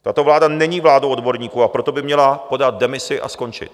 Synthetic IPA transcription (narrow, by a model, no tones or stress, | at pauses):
t̪at̪o̞vlaːdanɛɲiːvlaːdowʔo̞dbo̞ɾɲiːkuːapɾo̞t̪o̞bɪmɲɛlapo̞dat̪̚dɛmɪsɪʔa̰sko̞nt͡ʃɪ̰t̪